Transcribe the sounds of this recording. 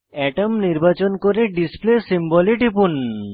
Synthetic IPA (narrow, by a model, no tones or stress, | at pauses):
ɛʈəmniɾbat͡ɕonkoɾeɖisplesimbɔliʈipun